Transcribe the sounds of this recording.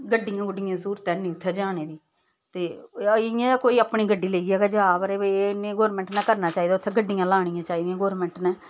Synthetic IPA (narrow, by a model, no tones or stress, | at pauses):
ɡəɖːɪjãːɡʊɖɪjãːsuːɾt̪ɛ̃ːnĩːʊt̪ʰːɛːd͡ʒaːñeːd̪iː | t̪eːɪjãːkoːiːaːpɳiːɡəɖːiːleiɡɛːɡaːd͡ʒaːbəɾeːnẽːɡoːɾmɛ̃ːɳʈnaːkəɾnaːt͡ʃaːiːd̪aːʊt̪ʰːeːɡəɖːɪjãːlaːɳ̃ɪjãːt͡ʃaːiːd̪ɪjãːɡoːɾmɛ̃ɳʈnɛ̃ː